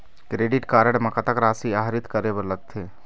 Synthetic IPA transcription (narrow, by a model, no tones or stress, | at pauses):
kɾeːɖɪʈkaːɾəɽmɐkət̪əkɾaːsiaːɦɾɪt̪kɐɾebəɾlɐɡ̚t̪ʰeː